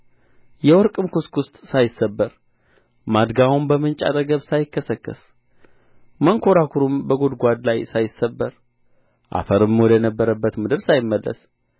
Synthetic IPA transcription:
jɛwɔɾkʼɨmkuskʊst̪ʼsajɪsːəbːəɾ | mad̪ɡawumbəmɨnt͡ʃʼa̰t̪ʼəɡəβsajɪkːəsəkːɨ̰s | məŋkʰo̞ɾakʰuɾumbəɡod̪ɡʷad̪lajsajɪsːəbːəɾ | ʔa̰fəɾɨmwɔd̪əjnəbːəɾəbːət̪mɨd̪ɨɾsajɪmːəlːə̰s

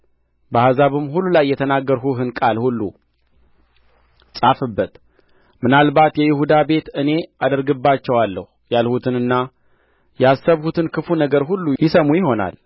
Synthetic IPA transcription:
bəhazaβɨmɦulːulajːɛt̪ʰənaɡːəɾɦuɦɨnkʼalhulːṵ | sʼafɨbːət̪ | mɨnalbat̪jɛjɪhud̪abe̞t̪ɨne̞ad̪əɾɡɨbːat͡ʃːɛwalːəhujalhut̪ʰɨnɨnːa | jasːəβhut̪ʰɨnkʰɨfunəɡəɾɦulːujɪsəmujɪɦo̞na̰l

